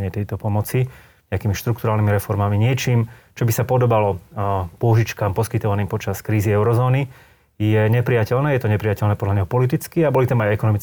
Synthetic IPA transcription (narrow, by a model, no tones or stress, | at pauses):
ɲɪɛt̪ɛjt̪ɔpɔmɔt͡si | ɲɛakiːmiʃt̪ɾuk̚t̪uɾaːlnimiɾɛfɔɾmamiɲɪɛt͡ʃiːmt͡ʃɔbisapɔd̪ɔbalɔpʊɔʒit͡ʃkaːmpɔskit̪ɔʋaniːmpɔt͡ʃaskɾiːziɛʊɾɔzɔːni | jɛɲɛpɾijacɛlnɛːjɛt̪ɔɲɛpɾijacɛlnɛːpɔd̪ʎaɲɛɦɔpɔlit̪it͡skiabɔlit̪amajɛkɔnɔmit͡s